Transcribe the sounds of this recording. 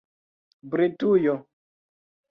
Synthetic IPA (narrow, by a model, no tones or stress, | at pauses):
bɾetujɔ